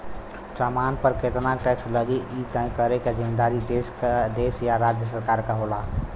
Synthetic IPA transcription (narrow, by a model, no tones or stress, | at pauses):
ʈɾamanpəɾket̪naʈɛksləɡeʔit̪ə̃ĩkəɾeked͡ʒimed̪aɾid̪esd̪esjaɾad͡ʒjəs̬əɾkaɾkəɦola